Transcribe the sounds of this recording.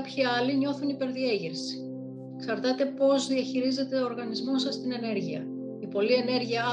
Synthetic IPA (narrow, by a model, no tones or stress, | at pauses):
pçiɐliɲo̞θunipe̞ɾðieʝiɾsi̥ | ksɐɾt̪ɐt̪e̞po̞zðiɐçiɾize̞t̪e̞oːɾɣɐnizmo̞sɐst̪ine̞ne̞ɾʝiɐ | ipo̞lie̞ne̞ɾʝiɐ